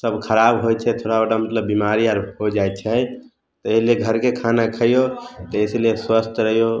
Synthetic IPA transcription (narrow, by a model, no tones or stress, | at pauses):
səbkʰəɾabɦot͡ʃʰɛt̪ʰoɽabəɽamət̪ləbːimaɾiəɾɦod͡ʒajt͡ʃʰɛ | t̪ɔeslijeɡʱəɾkekʰanakʰəjot̪ɔɪslijeswəst̪ɾəɦijo